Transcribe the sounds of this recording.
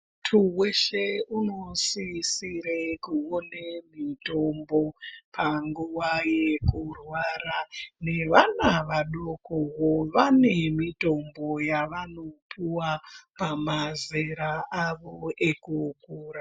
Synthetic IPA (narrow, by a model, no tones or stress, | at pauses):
tʰuweʃeuno̞sisiɾekuonemito̞mbo̞pʰaŋɡuʋajekurwaɾane̞ʋanaʋaɗokoɦoʋane̞mito̞mbo̞jaʋanopʰiwapamazeɾaʔaʋoekukuːɾa